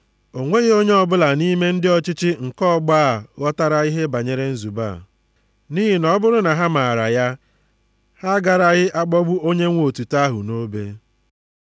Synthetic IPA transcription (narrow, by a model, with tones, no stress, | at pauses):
o˨ŋʷe˦ɣe˦o˦ɲe˦ɔ˦bʊ˦la˨ni˦me˦n̩˦dɪ˦ɔ˦t͡ʃɪ˦t͡ʃɪ˦ŋ̩˨kɔ˦ɡ͡ba˦˨ɣɔ˦ta˦ɾa˨i˦ɦe˦ba˨ɲe˦ɾe˦n̩˦zu˨ba̰˦˨ | ni˦ɦi˨nɔ˦bʊ˦ɾʊ˦na˨ɦa˦ma˨a˨ɾa˨ja˦ | ha˦ɡa˨ɾa˨ɣɪ˦ʔa˦ɡ͡bɔ˦bʊ˦o˦ɲe˦ŋʷ˦o˨tu˨ta˦ɦʊ̰˨no˦be˦